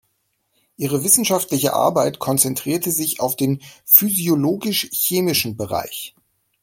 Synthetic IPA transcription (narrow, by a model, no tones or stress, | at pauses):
ʔiːʁəvɪsn̩ʃaftlɪçə̰ʔa̰ɐbaɪtkʰɔnt͡sɛntʁ̥iːɐtəzɪçaʊfd̥eːnfyzioloːɡɪʃçeːmɪʃn̩bəʁa̰ɪç